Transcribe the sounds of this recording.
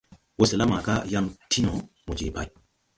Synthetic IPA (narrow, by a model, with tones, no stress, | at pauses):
wo˦se˨la˦ma˨ɡa˦ja˦mtʰi˦nɔ˨ | mu˨d͡ʒḛ˨pa˨j